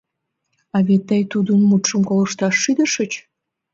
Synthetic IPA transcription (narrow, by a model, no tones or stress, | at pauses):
ɑβet̪ːəjt̪ːud̪ənmut̪ʃəmkoləʃt̪ɑʃːid̪əʃət͡ɕ